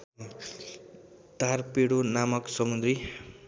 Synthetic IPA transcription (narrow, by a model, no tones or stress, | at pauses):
d̪ʱarpeɽonamʌksʌmund̪ɾi